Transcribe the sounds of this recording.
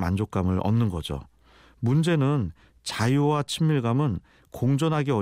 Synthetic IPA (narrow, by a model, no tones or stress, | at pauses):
ma̰nd͡ʑok͈̚amɯɾʔʌ̰nːɯnɡʌd͡ʑo̰ | mund͡ʑe̞nɯn | t͡ɕajuwat͡ɕʰimːiɭɡamɯn | koŋd͡ʑʌnɦaɡiʌ